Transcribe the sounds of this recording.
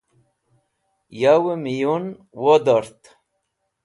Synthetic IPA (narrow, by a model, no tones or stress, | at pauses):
jawəmijun | wod̪ɔɾt̪